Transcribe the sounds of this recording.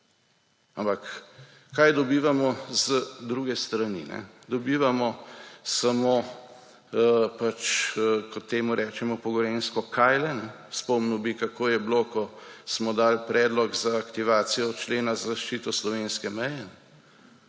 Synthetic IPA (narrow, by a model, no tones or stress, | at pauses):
ampakː | ajd̪ɔbiːʋamɔzəd̪ɾuːɡɛst̪ɾanḭnɛ̰d̪ɔbiːʋamɔsamo | pat͡ʃːkɔt̪ːeːmuɾɛːt͡ʃɛmɔpɔɡɔɾeːnskɔkʰajlɛnɛ | spɔmnuwbikakʰoːjɛblokɔsmɔd̪aːlpɾɛːd̪lɔɡzaːkt̪iʋaːt̪sijɔt͡ʃleːnazazaʃt͡ʃiːt̪ɔslɔʋeːnskɛmɛjɛnɛ